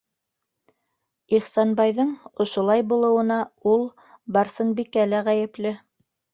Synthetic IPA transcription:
iχsɑnbɑjðɤɴŏʃŏlˠɑjbulˠɤ̆wɤ̆nɑulˠ | bɑɾsɤnbikælæʁæjɘ̆plɘ

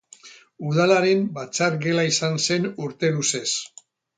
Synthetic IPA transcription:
uð̞alaɾe̞mbat͡saɾɡe̞laisanse̞nuɾt̪e̞ðuse̞s

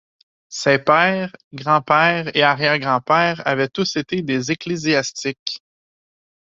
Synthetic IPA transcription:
sepɛːʁɡʁɑ̃pɛːʁeaʁjɛːʁɡʁɑ̃pɛːʁavɛt̪ʊset̪ed̪ezekleziast͡sɪkʲ

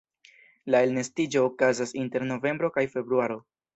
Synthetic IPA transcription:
lae̞lnestid͡ʒo̞ːkazasinte̞ɾno̞ve̞mbɾo̞kajfe̞bɾuaɾo̞

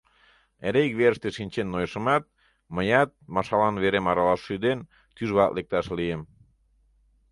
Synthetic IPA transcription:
eɾekβeɾəʃt̪eʃinʲt͡ɕenːojʃə̆mɑt̪̚ | məjɑt̪̚mɑʃɑlɑnβeɾemɑɾɑlɑʃːyd̪en | t̪yʒβɑt̪lek̚t̪ɑʃliem

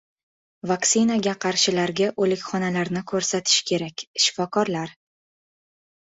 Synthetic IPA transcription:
vakt̪sɪnaɡʲaqʰɑɾʃɪlaɾɡʲaʔɵlɪkʲχɒnalaɾnɪkʰɵɾsat̪ʰɪ̥ʃkʲʰe̞ɾakʲʃɪ̥fɒkʰɒɾlaɾ

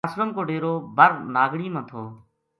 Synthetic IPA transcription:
sɾəmkoːɖeːɾoːbʱəɾnaːɡɽiːmãːt̪ʰoː

